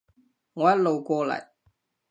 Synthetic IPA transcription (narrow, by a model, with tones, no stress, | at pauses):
ŋɔ˨˩ja˦lo˨wkoː˧lɐ̰˨j